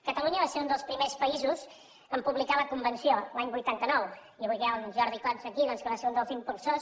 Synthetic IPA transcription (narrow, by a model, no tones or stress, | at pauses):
kət̪əluɲəβaseund̪əlˠspɾimespəizus | əmpuβlikaləkumbənsiolaɲbujt̪ant̪ənɔw | iβiɣɛunʒɔɾðikɔnsəkiðɔnskəβaseɾund̪əlˠzimpulˠsos